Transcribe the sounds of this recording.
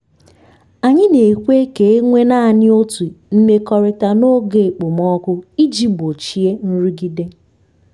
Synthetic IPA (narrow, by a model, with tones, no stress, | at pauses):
a˨ɲɪ˦ne˨kʷe˦ke˨e˦ŋʷe˦na˦a˨ɲɪ˦o˦tu˨m̩˦me˦kɔ˨ɾɪ˨ta˨no˦ɡe˦˨k͡pʊ˨mɔ˦kʊ˦i˦d͡ʒi˦bo˨t͡ʃi˨e˦n̩˦ɾi˦ɡi˦de˦